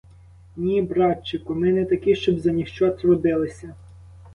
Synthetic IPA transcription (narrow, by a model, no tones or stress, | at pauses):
nʲibɾɑt͡ʃːɪkʊmɛnɛt̪ɐkɪʃt͡ʃɔbzɐnʲixt͡ʃɑt̪rɔd̪ɪlˠɪsʲɐ